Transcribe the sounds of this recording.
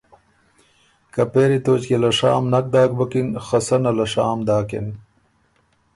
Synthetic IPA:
kɐpeːɾit̪oːt͡ɕkelɐʂa̰ːmnɐk̚d̪aːk̚bɐkinxɐsɐnɐlɐʂaːmd̪aːkḛn

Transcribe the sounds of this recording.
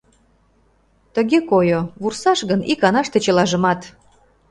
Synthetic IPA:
t̪əɣekojoβursɑʃɣənikɑnɑʃt̪ĕt͡ɕə̆lɑʒə̆mɑt̪

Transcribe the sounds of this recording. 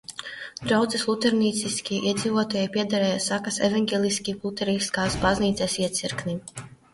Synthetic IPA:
d̪ɾawd̪zislˠut̪ɛɾniːt̪siskʲiɛʔiɛd̪ziːvuɔt̪aːjɛjpiɛd̪aɾɛːjasakasevaŋɡʲelʲˠiskʲilˠut̪ɛɾiskaːsbazniːt̪sɛsiɛt̪siɾkni

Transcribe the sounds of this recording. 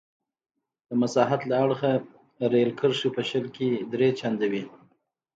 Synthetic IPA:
d̪̥əmasɑɦat̪laaɽxa | ɾelkəɾʃupəʃəlked̪ɾet͡ʃand̪awi

